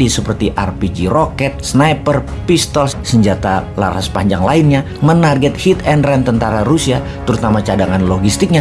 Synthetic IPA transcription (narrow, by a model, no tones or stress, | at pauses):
disəpərt̪iʔa̰rpid͡ʒiɾokɛt̪̚snajpər | pist̪ɔlsəɲd͡ʒat̪ala̰ɾa̰spaɲd͡ʒaŋlaɪnɲa | mənarɡɛt̪̚hit̪ɛnrɛnt̪ənt̪aɾaɾusia | t̪əɾut̪amat͡ʃadaŋanloɡist̪ɪk̚ɲa